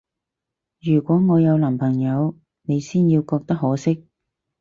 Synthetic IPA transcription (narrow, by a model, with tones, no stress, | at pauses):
jyː˨˩kʷɔː˨˥ŋɔː˨˧jɐ˨˧wlɐː˨˩mpʰɐ˨˩ŋjɐ˨˧w | ne˨˧jsiː˥njiː˧wkɔː˧k̚t̪ɐ˥k̚ɦɔː˨˥sɪ˥k̚